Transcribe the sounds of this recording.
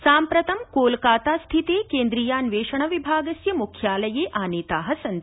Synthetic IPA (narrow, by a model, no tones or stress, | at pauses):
saːmpɾɐt̪ɐmkoːlkaːt̪aːst̪ʰit̪eːkeːnd̪ɾiːjaːnʋeːʂɐɳɐʋibʱaːɡɐsjɐmukʰjaːlɐjeːʔaːneːt̪aːɦɐsɐnt̪